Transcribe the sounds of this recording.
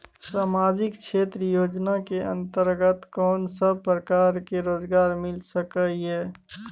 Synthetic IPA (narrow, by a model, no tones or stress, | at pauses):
saːmaːd͡ʒɪkt͡ʃʰeːt̪ɾəjoːd͡ʒnakeə̰̃nt̪əɾɡət̪kɔːnsəbpɾəkaːɾkeɾoːzɡaːɾmɪlsəkəiɦɛː